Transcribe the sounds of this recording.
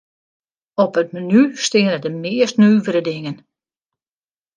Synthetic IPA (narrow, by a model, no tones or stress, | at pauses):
ɔpət̚mənystɪənədəmɪəstnyːvəɾədɪŋən